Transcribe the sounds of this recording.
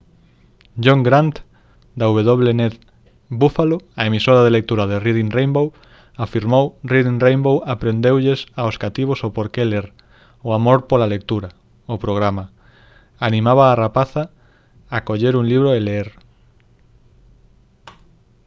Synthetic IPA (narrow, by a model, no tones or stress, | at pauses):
ʝoŋɡɾant̪ | d̪auβeðoβ̞lenet̪ | bufaloaemisoɾað̞elek̚t̪uɾaðeriðinrejmbow | afiɾmowriðiŋrejmbowapɾend̪ewʎesaoskat̪iβ̞osopoɾkeleɾ | ʊamoɾpolalek̚t̪uɾɐ | ʊpɾoɣ̞ɾama | anĩmaβaːrapaθa | akoʎeɾuŋliβɾoeleeɾ